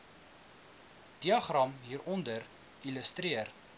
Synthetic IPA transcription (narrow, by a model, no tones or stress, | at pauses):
d̥iɐχrɐmɦiːɾʔɔndər | iləstriər